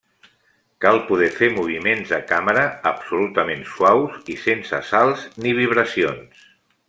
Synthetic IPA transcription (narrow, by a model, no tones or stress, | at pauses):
kalˠpuðɛfemuβ̞imenzəkaməɾəːpsulut̪əmenswawzisensə̰salˠzniβiβ̞ɾəsions